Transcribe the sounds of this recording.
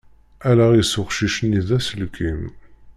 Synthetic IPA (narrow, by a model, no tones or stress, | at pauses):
ælæʁisʊχʃiʃəniðæsəlkʰim